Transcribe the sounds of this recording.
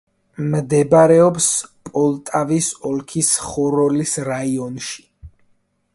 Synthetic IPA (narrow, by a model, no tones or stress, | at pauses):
md̪ɛbaɾɛɔpspʼɔlˠt̪ʼavisɔlkʰisχɔɾɔlisɾaiɔnʃi̥